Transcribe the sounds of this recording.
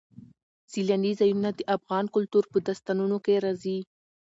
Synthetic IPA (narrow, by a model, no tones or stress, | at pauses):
siland̪izɑjunad̪əʔafɣɑnkʊlt̪uɾpəd̪ast̪anunokeɾɑzi